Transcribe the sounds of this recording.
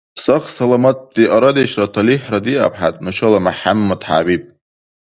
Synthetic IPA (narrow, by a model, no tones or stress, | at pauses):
saχsalamat̪̚ʼd̪iʔaɾad̪eʃratʰaliħrad̪ia̰pʰħa̰t̪ʼnɨʃalamaħamːad̪ħa̰bib̚